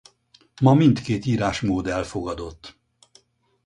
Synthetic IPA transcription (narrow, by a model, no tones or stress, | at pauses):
mɒmint̪keːt̪iːɾaːʃmoːd̪ɛlfo̞ɡɒd̪o̞t̪ː